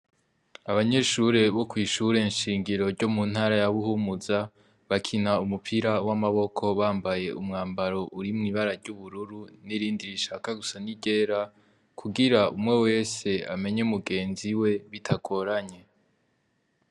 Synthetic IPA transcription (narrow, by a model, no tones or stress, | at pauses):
aβaɲe̞ʃuɾe̞βo̞kwiːʃuɾe̞nʃiːŋɡiɾo̞ɾɟo̞mun̥haːɾajaβuhumuza | βakʰinaumupʰiɾawamaβo̞kʰo̞βaːmbaje̞ʔumŋaːmbaɾo̞ʔuɾimŋiːβaɾaɾɟuβuɾuɾuniɾiːndiɾiʃakaɡusaniɟe̞ːɾa | kʰuɡiɾaumŋe̞we̞ːse̞a̰me̞ɲeumuɡe̞ːnziwe̞βitʰaɡʰo̞ɾaɲe̞